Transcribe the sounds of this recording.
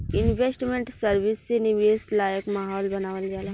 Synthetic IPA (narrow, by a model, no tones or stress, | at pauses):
ɪnʋesʈmẽɳʈsɐɾʋɪsːenɪʋeːslaːjəkmaːɦɔːlbɐnaːʋəlɡaːla